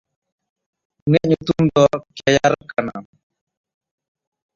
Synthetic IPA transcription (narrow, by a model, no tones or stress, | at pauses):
nɛɲut̪umdɔkɛjaɾkana̰m